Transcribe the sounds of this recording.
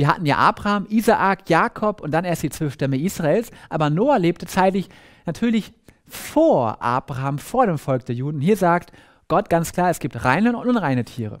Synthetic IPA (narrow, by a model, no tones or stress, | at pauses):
viːɐɦa̰tn̩ja̰ːʔa̰ːbʁaaːmʔiːzaʔakjaːkʰɔpʊnt̚d̥aneːɐstd̥iːt͡sv̥œlfʃtɛməʔiːsʁ̥aeːlsʔaːbɐnoːaleːp̚tət͡saɪtlɪç | natʰyːɐlɪç | foːɐʔa̰ːbʁaaːmfoːɐɾeːmfɔlk̚d̥eːɐjuːdn̩ʊnhiːɐzaːkt | ɡ̥ɔtɡ̥ant͡skl̥aːɐɛsɡ̥iːp̚tʁaɪnənʊntnuːnʁaɪnətʰiːʁ̞ə̰